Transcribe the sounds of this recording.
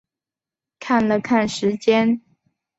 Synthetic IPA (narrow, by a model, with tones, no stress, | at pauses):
kʰa˥˩nlə˨kʰa˥˩nʂɻ̩˧˥t͡ɕjɛ˥n